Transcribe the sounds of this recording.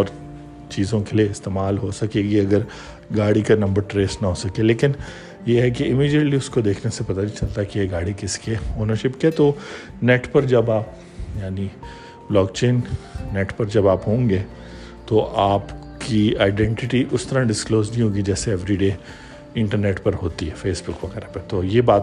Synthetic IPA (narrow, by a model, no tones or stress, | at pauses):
ɔːɾ | t͡ʃiːzõkelieɪst̪eːmaːlɦosɐkeːɡiɐɡəɾ | ɡaːɽikanɐ̃mbəɾʈɾeːsnɐɦoːsɐkeleːkɪn | jeɦɛkiɪmiːd͡ʒəʈliʊskod̪eːkʰnesepɐt̪anĩt͡ʃɐlt̪aɦɛkijeɡaːɽikɪskeoːnəɾʃɪpkeet̪o | nɛːʈpɐɾd͡ʒɐbaːp | jaːni | blɔːkt͡ʃeːnːɛːʈpɐɾd͡ʒɐbaːpɦõːŋɡeː | t̪oʔaːp | kiaːɪɖɛ̃ɳʈɪʈiʔʊst̪ɐɾãɖɪskloːznɦĩɦoːɡid͡ʒɛːseɛʋɾiɖeː | ɪ̃ɳʈəɾneːʈpɐɾɦoːt̪iɦɛfeːsbʊkʋɐɡɛːɾapet̪ojebaːt̪